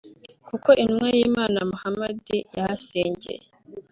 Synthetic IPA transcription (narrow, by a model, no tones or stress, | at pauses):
kuko̞ʔinmwejimaːnamuhamadijahaseːɲɟḛje